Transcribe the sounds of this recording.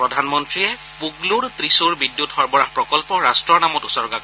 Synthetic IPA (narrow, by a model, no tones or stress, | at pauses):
pɹɔdʱanmɔntɹiɛpuɡluɹt̪ɹisuɹbidjutxɔɹbɔɹahpɹɔkɔlpɔɹastɹɔɹnamɔtʊsɔɹɡa